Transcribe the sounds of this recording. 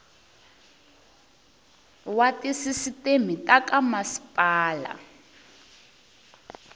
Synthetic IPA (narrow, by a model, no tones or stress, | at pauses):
watisisitemitʼakʼamasi̥pʼaːla̰